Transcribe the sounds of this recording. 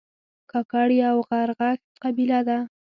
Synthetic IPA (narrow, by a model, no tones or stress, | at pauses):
kɑkɑɽiawɣaɾɣax | qabilad̪a